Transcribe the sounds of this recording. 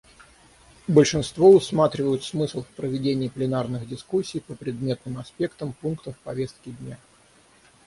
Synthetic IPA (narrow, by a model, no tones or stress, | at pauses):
bəlʲʂɨnst̪voʊsmat̪ɾʲɪvəjʊt̪smɨslˠfʲpɾəvʲɪdʲenʲɪːplʲɪnarnɨɣdʲɪskusʲːɪjpəpɾʲɪd̪mʲe̞t̪nɨmɐspʲe̞kt̪əmpunkt̪əfpɐvʲe̞st̪kʲɪdʲnʲa